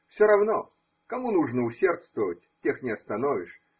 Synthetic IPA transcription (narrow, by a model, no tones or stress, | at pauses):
fsʲɔɾavnɔ | kamunuʐnəusʲɛrt̪st̪vəvətʲtʲːɛxnʲɪɐst̪anɔvʲɪʂ